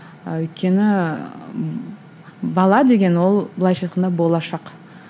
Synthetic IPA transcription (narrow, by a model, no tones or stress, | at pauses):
ɵjt̪̚kʲe̞nɪ | bɑlˠɑd̪e̞ɡʲe̞nwo̞lˠbəlˠɑjʃɑjt̪qənd̪ɑbo̞lˠɑʃɑq